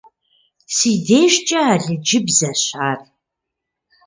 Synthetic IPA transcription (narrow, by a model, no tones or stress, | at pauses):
siːdeːʒt͡ʃʼɐaːɮɨd͡ʒɪbzɐɕaːr